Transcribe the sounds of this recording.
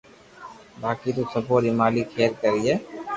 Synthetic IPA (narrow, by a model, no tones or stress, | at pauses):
baːkit̪̬usəboːɾimaːlikʰeːɾkəɾieː